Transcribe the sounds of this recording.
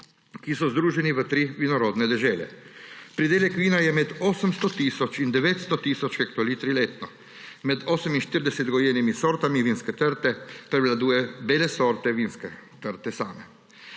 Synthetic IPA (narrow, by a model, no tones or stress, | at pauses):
kisɔzd̪ɾuːʒɛniʋət̪ɾiʋinɔɾoːd̪nɛd̪ɛʒɛːlɛ̰pɾid̪eːljɛkʋiːnajɛmɛd̪oːsəmst̪ɔt̪iːsɔt͡ʃind̪ɛʋeːt̪st̪ɔt̪iːsɔt͡ʃxɛkt̪ɔliːt̪ɾileːt̪nɔ | mɛd̪oːsəminʃt̪iɾd̪ɛsɛd̪ɡɔjenimisoːɾt̪amiʋiːnskɛt̪əɾt̪ɛpɾɛʋlad̪uːjɛbeːlɛsoːɾt̪ɛʋiːnskɛt̪əɾt̪ɛsaːmɛ